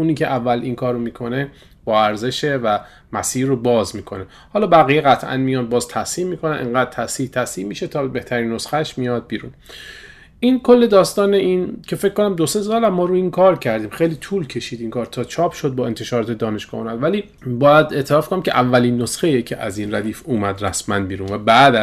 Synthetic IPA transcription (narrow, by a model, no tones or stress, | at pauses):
uːniːcʰeʔævːælʔinkʰɒːɾomiːkʰo̞ne̞ | b̥ɒːæɾze̞ʃevæ | mæsiːɾobɒːzmiːkʰo̞ne | hɒːlɒːbæɣijeɣæt̪ʰʔæ̰nmijɒːn̚bɒːzt̪ʰæsiːmmːiːkʰo̞nænʔḛŋɢæːd̪̥̚t̪ʰæsiːt̪ʰæsiːmmiːʃet̪ʰɒːbeht̪ʰæɾiːnːosxæʃmijɒd̪̚biːɾṵːn | ʔinkʰolːe̞d̪ɒːst̪ɒːneʔincʲʰe̞fe̞cʰːkːonæmd̪ose̞sɒːlæmːɒːɾuinkʰɒːɾcʰæɾd̪iːmxejliːt̪ʰuːlcʰe̞ʃiːd̪iːnkʰɒːɾt̪ʰɒːt͡ʃʰɒːpʰʃod̪̚bɒːe̞nt̪ʰe̞ʃɒːɾɒːt̪ʰe̞d̪ɒːne̞ʃɡ̥ɒ̰ːhuːmæd̪væliː | bɒːjæd̪e̞ʔt̪ʰelɒːfkʰonæmcʰʲeʔævːæliːnːosxejecʰḛʔæ̰zinræd̪iːfuːmæd̪ræsmænbiːɾunvæbæːd̪æ